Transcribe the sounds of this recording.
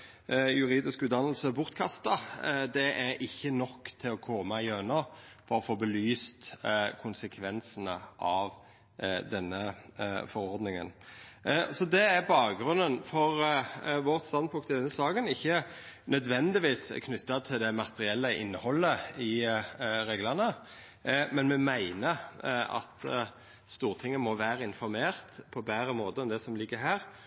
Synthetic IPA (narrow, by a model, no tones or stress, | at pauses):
jʉɾiːd̪ɪskʉt̪d̪ɑnːəl̩səbʊʁt̪kʰɑst̪əʁd̪ɛʔæɾɪçːənɔkːt̪ʰɪlɔkʰɔmɑɪøːnɑfɔɾɔfoːbəlyːst̪kʰʊnsəkʰʋɛnsənə̰ʔɑʋ | d̪ɛnːəfɔɾɔʁd̪nɪŋə̰n | sɔd̪ɛæɾbɑːkɡɾʉnənfɔʁʋɔʁt̪st̪ɑnd̪pʰʊŋkt̪ʰɪld̪ɛnəsɑːɡənɪçːə | nœd̪ʋɛnd̪ɪʋiːskʰnʏt̪ːɑt̪ʰɪld̪ɛmɑt̪əɾɪɛlːəʔɪ̰nːəhɔlːəɪ | ɾeːɡlɑʁnə | mɛnmɛmæɪnəɾɑ̰t̪ | st̪uːʁt̪ʰɪŋːəmɔʋæːɾəɪnfɔɾmeːʁt̪pʰɔbæːɾəmoːt̪əɔmd̪ɛsɔmlɪɡːəɦæːʁ